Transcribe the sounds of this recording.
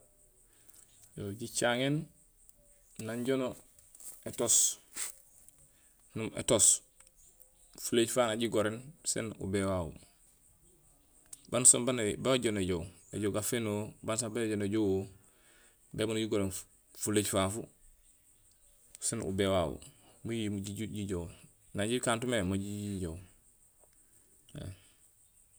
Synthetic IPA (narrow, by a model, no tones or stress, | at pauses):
joɟit͡ʃaŋen | aɲɟono | etos | numḛtos | fuleːɟfaːnaɟiɡoɾensḛnṵbewawṵ | bansobanbawaɟoneɟow | ḛɟoɡafenoːbansabaɟoneɟowwo | beːbanɟiɡoɾen | fuleɟfaːfu | senṵbewaːwṵ | mujiɟiɟow | naɟikaːntumemaɟiiɟow | ḛ